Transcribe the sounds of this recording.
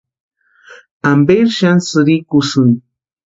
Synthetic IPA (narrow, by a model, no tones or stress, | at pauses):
ambeɾʃansɨɾikusuŋ